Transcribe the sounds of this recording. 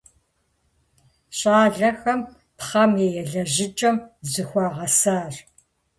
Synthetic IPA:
ɕʼaːɮɐxɐm | pχɐmeːjɛɮɐʑɪt͡ʃʼɐmzɨxʷɑːʁɐsaːr

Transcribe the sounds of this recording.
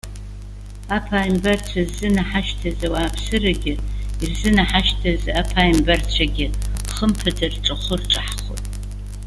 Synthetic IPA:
apʰaːjmbɐrt͡sʷʰazːɨnaħaʃtʰazawaːpʰsɨraɡʲɪirzɨnaħaʃtʰazapʰaːimbɐrt͡ɕʷʰaɡʲɪχəmpʰɨdʰarʈ͡ʂʼɐχʷʊrʈ͡ʂʼaħχʷʊ̰tʼ

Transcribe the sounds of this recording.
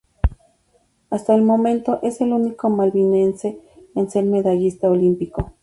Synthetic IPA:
ast̪aelmoment̪oʔeselunikomalβinenseːnseɾmeðajist̪aolimpiko

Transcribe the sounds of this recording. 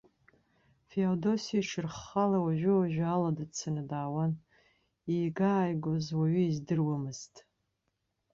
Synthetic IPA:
feodo̞siaʂʰɨrχːalawaʒʷᶣʊwaʒᶣaladat͡sʰanɨdaːwan | ijɡaːjɡozwaɥʏizdɨrwamɨz̥tʼ

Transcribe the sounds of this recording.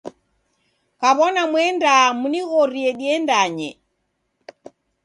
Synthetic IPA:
kaβɔnamwɛndamuniɣɔɾiɛɗiɛndaɲɛ

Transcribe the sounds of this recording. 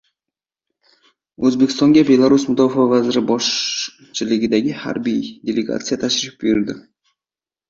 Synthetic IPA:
ɵzbekʲɪ̥st̪ɒŋɡʲabe̞lˠaɾusmʊd̪ɒfavazɪɾɪbɒʃ | t͡ʃʰɪlɪɡʲɪd̪aɡʲɪha̰ɾbijd̪ʲe̞leɡa̰t̪sɨjat̪ʰaʃɾɪfbʊjɪɾd̪ɪ

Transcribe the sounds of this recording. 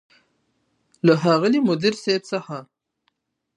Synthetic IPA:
ləɦɑɣəlimʊd̪iɾsebsəxa

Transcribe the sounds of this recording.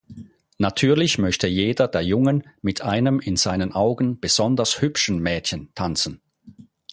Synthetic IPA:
natʰyːɐlɪçmœçtəjeːdɐdeːɐjʊŋənmɪtʰʔaɪnəmɪnz̥aɪnənʔaʊɡn̩b̥əz̥ɔndɐshʏpʃn̩mɛːtçəntʰant͡sn̩

